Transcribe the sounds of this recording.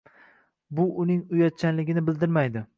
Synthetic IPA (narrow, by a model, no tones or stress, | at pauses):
bʊʔʊnɪŋʊjɒt̪̚t͡ʃʰanlɪɡʲɪnɪbɪld̪ɪɾmajd̪ɪ